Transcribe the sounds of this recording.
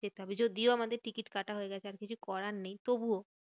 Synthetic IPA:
d͡ʑet̪eɦɔbed͡ʑod̪ioamad̪eɾʈikiʈkaʈaɦoeɡɛt͡ɕʰeaɾkit͡ɕʰukɔɾanːejt̪obuo

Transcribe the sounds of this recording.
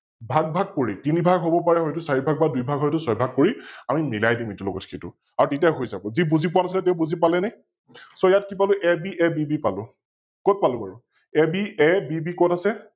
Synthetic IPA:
bʱaɡ̚bʱaɡ̚poɹitinibʱaɡɦobɔpaɹɛɦɔjtʊsaɹibʱaɡ̚badujbʱaɡɦɔjtʊsɔjbʱaɡ̚poɹiamimilajdimetulɔ̰ɡɔtxetʊ̰ | aɹutitiaɦojzabɔzibuzip̬ʊanas̬ilɛt̬ẽʊ̃buzip̬alɛnaj | sɔjatkip̬alʊʔɛbiʔɛbibipalʊ̰ | kɔt̚palʊbaɹu | ɛbiɛbibikɔtasɛ

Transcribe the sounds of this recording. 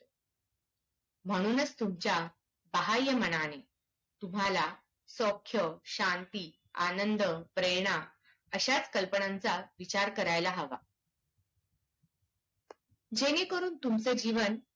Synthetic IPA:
m̤əɽ̃uːnət͡st̪umt͡ɕja | bəɦajəməñane | t̪um̤ala | sokʰːjəɕant̪iː | anənd̪əpɾeɾɳa | əɕat͡skəlpəɳãnt͡saʋit͡ɕaɾkəɾajlaɦəʋa̰ | d͡ʑenekəɾuːnt̪umt͡sed͡ʑiʋən

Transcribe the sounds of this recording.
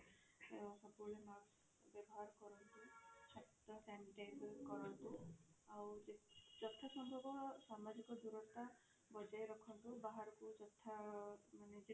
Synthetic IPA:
esɔbulenɔɾs | bjɔbɔɦaɾɔkɔɾɔnt̪it͡ʃʰakt̪ɔsɛniʈajblkɔɾɔnt̪uawd͡ʒed͡ʒɔt̪ʰasɔmbʱɔbɔsamad͡ʒikɔd̪uɾɔst̪a | bɔd͡ʒajɾɔkʰɔnt̪ubaɦaɾɔkud͡ʒɔt̪ʰamaned͡ʒe

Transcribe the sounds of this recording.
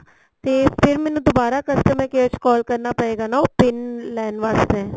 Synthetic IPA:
t̪eːpʰɪɾmɛːnũːd̪obaːɾaːkəst̪əmɛ̃ːkeət͡ʃkɔːlkəɾnaːpəɽeːɡaːnaopɪnlɛːnʋaːst̪ɛː

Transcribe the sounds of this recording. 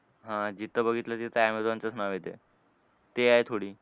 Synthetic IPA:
ɦãd͡ʑit̪ːəbəɡʱit̪lat̪it̪ajamet̪ʋant͡səsʰnaʋet̪e | t̪eaet̪ʰoɽiː

